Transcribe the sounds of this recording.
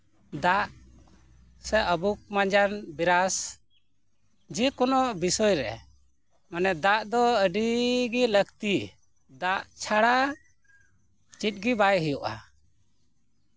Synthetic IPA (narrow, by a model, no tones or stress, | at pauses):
d̪aʔ | sɛʔəbuk̚maɲd͡ʒanbiɾas | d͡ʒikɔnɔʔbisɔjɾɛ̰ | manɛd̪aʔd̪ɔəɖiɡiləɡt̪i | d̪aʔt͡ʃʰaɽa | t͡ʃit̪̚ˀɡibajɦəjɔʔa̰